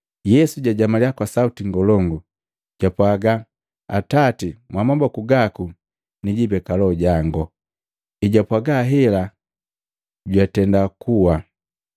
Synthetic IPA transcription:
jɛsuɟaɟamaliakwasautiŋɡɔlɔŋɡu | ɟ̥apwaɡa | a̰tatimwamambakuɡaku | niɟibɛkalɔɟaŋɡɔ | iɟapwaɡaɦɛla | ɟwatɛndakuwa

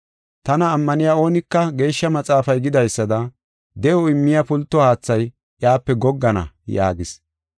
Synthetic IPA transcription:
t̪ɐnɐːmːɐnɪjaːo̞ːnɪkːɐɡe̞ːʃːɐmɐt͡sʼaːfɐjɡɪd̪ɐjsːɐd̪ɐ | d̪ɛʔɔɪmːɪjɐpʊlt̪ːɔhaːt͡sːɐj | ʔjaːpːɛɡɔɡːɐnɐ̰ja̰ːɡɪs

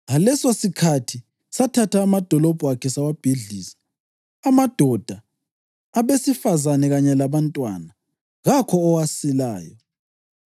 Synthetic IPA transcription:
ɣalɛsosikʰatʰi | satʰatʰaːmad̥ʱɔlɔb̥ʱuakʰɛsawab̥ʱiɮiːsi̥ | amad̥ʱɔd̥ʱaː | βesifazanɛɣaɲɛlaβantʼwa̰na | ɣakʰɔːwasila̰ːjɔ

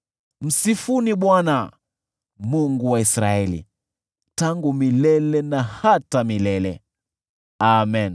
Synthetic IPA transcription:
m̩sifuniɓwana | muŋɡuwaisɾaɛlḭ | taŋɡumilɛlɛnahatamilɛlɛ̰ | amɛn

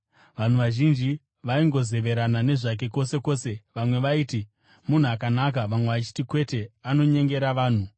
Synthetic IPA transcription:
ʋan̤uʋaʒind͡ʒi | ʋaiŋɡo̞ze̞ʋe̞ɾanane̞ʐak̬e̞ko̞se̞ko̞ːse̞ʋamwe̞ʋaiːti | mun̤uak̬anak̬aʋamwe̞ʋat͡ʃi̥tikwe̞te̞ano̞ɲe̞ŋɡe̞ɾaʋaːn̤u

